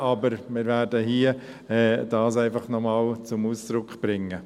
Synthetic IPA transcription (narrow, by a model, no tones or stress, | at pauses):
ɑbəɾmɪːɾvæːɾdəhiə | ɛːd̥ɑːsæɪfɑχnɔmɑːlt͡sʊmuːsd̥ɾʊkχb̥ɾɪŋːə